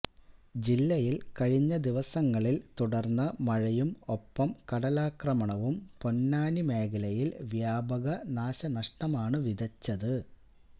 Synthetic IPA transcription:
d͡ʑilːɐjilkɐɻiɲːɐd̪iʋɐsɐŋːɐɭilt̪uɽɐrnːɐmɐɻɐjumo̞pːɐmkɐɽɐlaːkrɐmɐɳɐʋumpo̞nːaːnime̞ːɡɐlɐjilʋjaːbɐɣɐnaːɕɐnɐʂʈɐmaːɳɨʋid̪ʱɐt͡ɕːɐðɨ

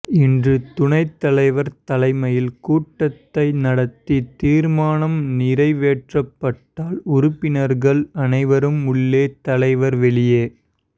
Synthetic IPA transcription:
ɪndrɯt̪ʊɳɐɪt̪ːɐlɐɪʋɐɾt̪ɐlɐɪmɐjɪlkuːʈːɐt̪ːɐɪnɐɽɐt̪ːit̪iːɾmaːnɐmniɾɐɪʋeːʈrɐpːɐʈːaːlʊɾʊpːɪnɐɾɣɐɭɐnɐɪʋɐɾɯmʊɭːeːt̪ɐlɐɪʋɐɾʋɛɭɪjeː

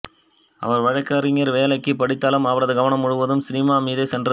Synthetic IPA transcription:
ʔɐ̰ʋɐɾʋɐɻɐɪkːaːɾɪŋɐɾʋeːlɐɪkːɯpɐɽɪt̪ːaːlɯmɐʋɐɾɐðɯɡɐʋɐnɐmːʊɻɯʋɐðɯmsɪnɪmaːmiːðeːsɛndrɐ

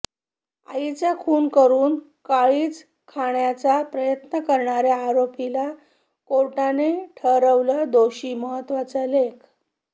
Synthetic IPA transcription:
a̰it͡sjakʰuːnkəɾuːn | kaɭiːt͡s | kʰaɳjat͡sapɾəjət̪nəkəɾɳaɾjaːɾopila | koʈaneʈʰəɾəʋləd̪oɕiːməɦət̪ːʋat͡səlekʰ

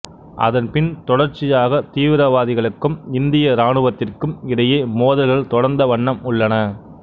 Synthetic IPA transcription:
ʔɐ̰ðɐnpɪnt̪ɔɽɐɾt͡ʃːɪjaːɣɐt̪iːʋɪɾɐʋaːðɪɣɐɭɯkːɯmɪnd̪ɪjɐɾaːɳɯʋɐt̪ːɪrkɯmɪɽɐjeːmoːðɐlɣɐɭt̪ɔɽɐɾnd̪ɐʋɐɳːɐmʊɭːɐnɐ

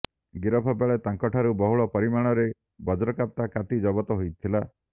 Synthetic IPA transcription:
ɡiɾɔpʰɔbeɭet̪aŋkɔʈʰaɾubɔɦuɭɔpɔɾimaɽ̃ɔɾe | bɔd͡ʒɔɾɔkap̚t̪akat̪id͡ʒɔbɔt̪ɔɦojt̪ʰila

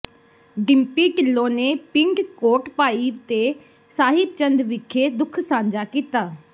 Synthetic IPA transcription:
ɖɪmpiːʈɪlːõːneːpɪŋɖkoːʈpaːiːʋt̪eː | saːɦɪt̪̚t͡ʃənd̪ʋɪkʰːeːd̪ʊkʰsãːɲd͡ʒaːkiːt̪aː

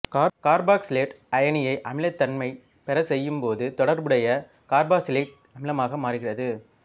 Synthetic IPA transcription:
kːkaːɾbaːksleːʈ | ɐjɐnɪjɐɪʔɐmɪlɐt̪ːɐnmɐɪ | pɛɾɐsɛjːɯmpoːðɯt̪ɔɽɐɾbɯɽɐjɐ | kaːɾbaːsɪleːʈ̚ | ɐmɪlɐmaːɣɐmaːɾɪɣɪrɐðɯ

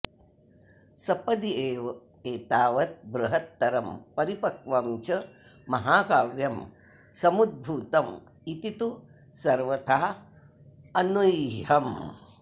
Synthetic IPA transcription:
sɐpɐd̪ieːʋɐ | eːt̪aːʋɐt̪̚bɾuɦɐt̪ːɐɾɐmpɐɾipɐkʋɐmt͡ʃɐ | mɐɦaːkaːʋjɐm | sɐmud̪̚bʱuːt̪ɐm | it̪it̪u | sɐɾʋɐt̪ʰaː | ɐnujɦɐm

